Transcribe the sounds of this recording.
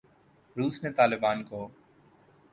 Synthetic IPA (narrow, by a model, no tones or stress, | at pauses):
ɾuːsneːt̪aːlɪbaːnkoː